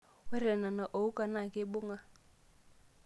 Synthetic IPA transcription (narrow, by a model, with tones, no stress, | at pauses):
wɛ˦ɾɛ˨na˨na˨ʔo˨u˦kʼa˨na˨kʼɪ˦bʊ˦ŋa˦